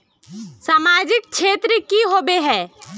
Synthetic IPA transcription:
saːmaːd͡ʒɪk̚ʃʰeːt̪ɾəkiɦoːbeɦɛ̃ː

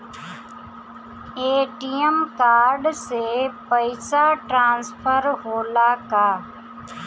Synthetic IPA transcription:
eːʈiəmkaːɾɖsepəɪsaʈɾãːnspʰəɾɦoːlaːkaː

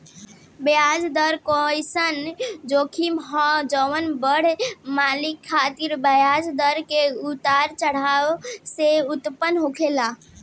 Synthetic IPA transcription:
bejad͡ʒd̪əɾkojsənd͡ʒokʰimɦɔ̃d͡ʒəwənbəɽ̤malikʰːat̪iɾbəjad͡ʒd̪əɾkeut̪aɾt͡ʃəɽ̤awseut̪pənɦokʰela

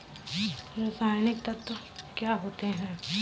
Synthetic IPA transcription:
ɾasaːjnɪk̚t̪ɐt̪o | kjaːɦoːt̪eɦɛ̃ː

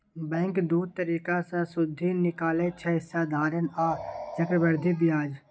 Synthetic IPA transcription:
bɛ̃ːŋkd̪uːd̪̚t̪əɾiːkasãsʊd̪ʱːinɪkaːlet͡ʃʰəsaːd̪ʱaːɾənaːd͡ʒəkɾəbəɾd̪ʱibɪjaːd͡ʒ

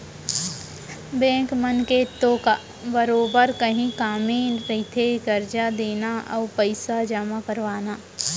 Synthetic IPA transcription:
bɛ̃ːkmənket̪oːka | bəɾoːbəɾkɐɦĩkaːmẽɾɐɦit̪ʰeɡɐɾd͡ʒad̪eːnaʔɔ̰ːpəɪsad͡ʒəmakəɾʋaːnaː

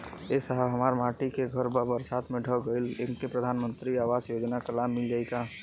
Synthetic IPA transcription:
esəɦəɦəmaːɾmaːʈikeɡʱəɾbəbəɾsaːt̪ʰmẽɖʱəɡəɪlɪnkepɾəd̪ʱaːnmə̃nt̪ɾiaːʋaːzjoːd͡ʒnakəlaːmːɪld͡ʒaːɪka

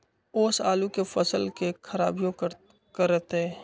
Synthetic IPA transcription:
ʊːsaːlukefəsəlkekʰəɾa̰ːbjõk | kəɾːəɦt̪eɦɛː

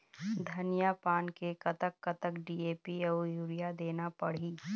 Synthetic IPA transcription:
d̪ʱɐnɪjapaːnkekɐt̪əkːət̪əkɖiːeːpiɔjuːɾijad̪eːnapɐɽ̤iː

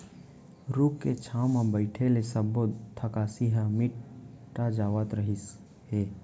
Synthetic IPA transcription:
ɾukːet͡ʃʰamabəɪʈʰelesəbod̪t̪ʰəkasiɦamiʈʈːad͡ʒaːʋət̪ɾəɦis | he

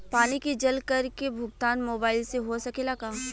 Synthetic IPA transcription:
paːnikid͡ʒɐlkɐɾkebʱʊɡ̚t̪aːnmoːbaːɪlseɦosɐkelaɡaː

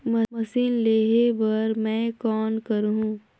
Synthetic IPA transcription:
mɐmɐsiːnleːɦebɐɾmɛ̃ːkɔːnkɐɾɦũː

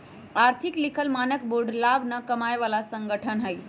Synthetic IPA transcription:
aɾt̪ʰiklikʰəlmanəkboɖlabnəkəmajʋalasəŋɡəʈʰənɦəj

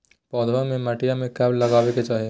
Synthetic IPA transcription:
pɔːd̪ɾamẽmɐʈijamẽkɛblːɐɡaːʋeket͡ʃaːɦie

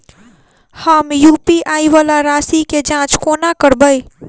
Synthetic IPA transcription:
həmjuːpiʔaːiʋaːlaɾaːsiked͡ʒãːt͡ʃkoːnakəɾbəi

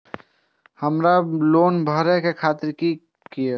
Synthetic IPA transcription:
həmɾaloːnbʱəɾɛkekʰaːt̪ɪɾki | kie

